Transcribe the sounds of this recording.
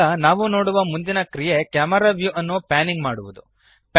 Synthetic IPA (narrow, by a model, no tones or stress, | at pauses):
ɐnaːʋuno̞ːɽuʋɐmund̪inɐkɾije̞kjaːmɐɾaːʋjuʔɐnːupaːniŋɡmaːɽuʋud̪u | p